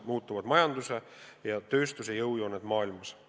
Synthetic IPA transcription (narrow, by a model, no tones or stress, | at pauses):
muːt̪ːˑuvɑd̪̥mɑjɑnd̪use̞ | jɑt̪ø̞ːst̪usejɤwjonːed̪̥mɑːilmɑs